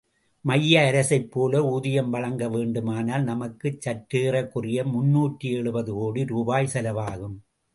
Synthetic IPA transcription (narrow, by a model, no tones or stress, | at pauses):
mɐjːɐːɾɐsɐɪpːoːlɐuːðɪjɐmʋɐɻɐŋɡɐʋeːɳɖɯmaːnaːlnɐmɐkːɯt͡ʃːɐʈɾeːrɐkːʊrɪjɐmʊnːuːʈrieɭɯbɐðɯoːɽiɾuːbaːjsɐlɐʋaːɣɯm